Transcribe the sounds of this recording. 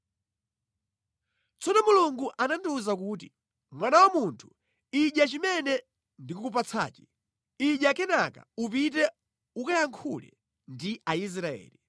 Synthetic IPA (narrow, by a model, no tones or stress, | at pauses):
t͡sɔnɔmuluŋɡuʔananduzak̬uːt̬i | mwanawamuntʰu̥ | iʄat͡ʃimɛnɛ | ndikukup̬at͡sʰa̰ːt͡ʃi̥ | iʄakɛnaka̰up̬it̬ɛ | ukajaŋkʰulɛ̰ | ndiais̬ɾaɛ̰ːli